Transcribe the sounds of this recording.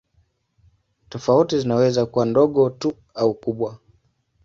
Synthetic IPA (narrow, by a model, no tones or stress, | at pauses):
tɔfautizinawɛzakuwandɔɠɔtu | aukuɓwa